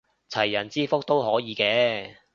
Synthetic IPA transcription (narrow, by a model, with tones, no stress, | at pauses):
t͡sʰɐ˨˩jːɐ˨˩nt͡siː˥fʊ˥k̚t̪o˥wɦɔː˨˥jiː˨˧kɛː˧